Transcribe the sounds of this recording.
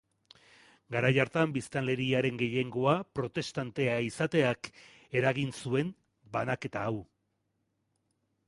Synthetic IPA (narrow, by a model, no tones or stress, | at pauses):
ɡaɾajaɾt̪ambist̪anle̞ɾiaɾe̞ŋɡe̞je̞ŋɡo̞apɾo̞t̪e̞st̪ant̪e̞aisat̪e̞ak | e̞ɾaɣinsue̞m | banake̞t̪aːw